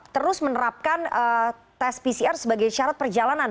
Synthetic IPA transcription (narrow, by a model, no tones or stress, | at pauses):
t̪əɾʊsmənəɾap̚kanə | t̪ɛspisiarsəbaɡajʃaɾat̪̚pərd͡ʒalanan